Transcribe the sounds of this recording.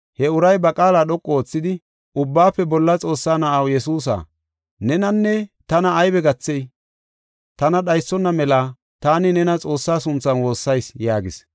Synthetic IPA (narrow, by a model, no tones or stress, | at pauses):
hɛʊɾɐjbɐkʼaːlaːɗɔkʼːɔoːt͡sːɪd̪ɪ | ʊbːaːpːɛbɔlːɐt͡sʼo̞ːsːaːnɐʔɐwjɛsuːs̬a̰ː | nɛnɐnːɛt̪ɐnɐːjbɛɡɐt͡sːɛj | t̪ɐnɐɗɐjsːɔnːɐmɛlaː | t̪aːnɪnɛnɐt͡sʼo̞ːsːaːsʊnt͡sːɐnwo̞ːsːɐjsjaːɡɪ̰s